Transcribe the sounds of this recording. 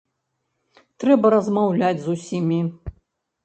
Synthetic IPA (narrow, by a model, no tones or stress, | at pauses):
t̪ɾɛbɐɾɐzmawlʲad͡zʲzusʲimʲi